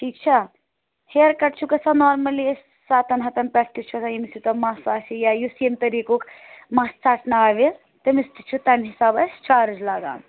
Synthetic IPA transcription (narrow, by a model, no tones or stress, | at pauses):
ʈʰiːkt͡ʃʰi | heːɾkɐʈt͡ʃʰukɐsɐnoːɾmɐlis | saːt̪ʰɐnɦɐt̪ɐnpɾɛsʈist͡ʃʰusɐjimsit̪ɐmasaːsijajusemt̪ɐɾiːkokmaːst͡saːʈʰnaaːʋi | t̪ɐmist̪it͡ʃʰut̪ɐnɦisaːbɐsʲt͡ʃaːɾɨd͡ʒlaːɡa̰ːn